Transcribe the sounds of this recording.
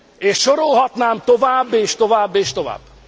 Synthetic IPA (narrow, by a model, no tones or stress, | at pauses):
eːʃʃoɾolɦɒt̪naːmt̪ovaːbːeːʃt̪ovaːbːeːʃt̪ova̰ːb̥ː